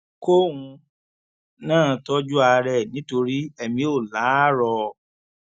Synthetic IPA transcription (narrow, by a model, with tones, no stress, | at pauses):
ko˦wũ˧ | nãː˦˨˧tɔ˦d͡ʒu˦a˧ɾɛ˦˨nĩ˨˦to˧ɾi˦ɛ˦˨mĩ˧˦o˦˨la˨˦ɾɔ˧